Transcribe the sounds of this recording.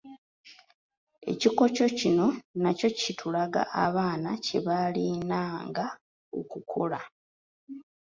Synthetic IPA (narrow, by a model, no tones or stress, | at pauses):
e̞̰ciko̞co̞cino̞naco̞citʰulaɡa̰ʔa̰βaːnace̞βalinaːŋɡa | o̰kukʰola